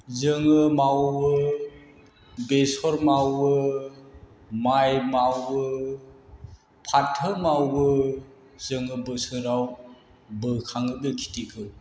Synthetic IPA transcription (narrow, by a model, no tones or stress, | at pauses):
zɯŋɯmawbɯ | besɔɾmawɯ | majmawbɯ | pʰatʰːɯmawbɯ | zɯŋɯbɯsɯɾaw | bɯkʰaŋɯbekʰi̥tikʰɯ